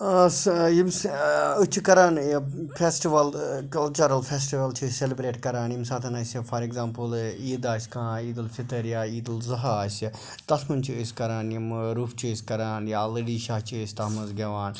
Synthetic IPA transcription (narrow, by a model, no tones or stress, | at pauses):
sjimsut͡ʃʰikɐɾaːnpʰeːsʈiʋɐlkɐlt͡ʃɐɾɐlfʰeːsʈiʋɐlt͡ʃʰiselibɾeːʈkɐɾaːnjimsaːt̪ʰɐnaːsʲifʰɐɾeɡzaːmpuliːd̪aːsʲkʰãːiːd̪ɐlfit̪ɐɾjaːiːd̪ɐlzɐɦaːsʲi | t̪ɐsmunt͡ʃʰiɨsʲkɐɾaːnjimɾuːfʰt͡ʃʰisʲkɐɾaːnjalɐɖiːʃaːt͡ʃʰisʲt̪ɐmɐzɡɐʋaːn